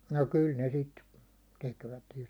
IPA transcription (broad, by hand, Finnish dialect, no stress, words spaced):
no kyl ne sit tekʋæt jo